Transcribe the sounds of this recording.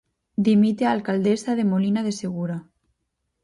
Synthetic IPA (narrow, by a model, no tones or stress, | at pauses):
d̪imit̪ealkald̪esaðemolinaðeseɣ̞uɾa